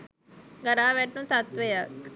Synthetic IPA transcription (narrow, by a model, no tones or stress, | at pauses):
ɡaɾaːʋɛʈnut̪at̪ʋejak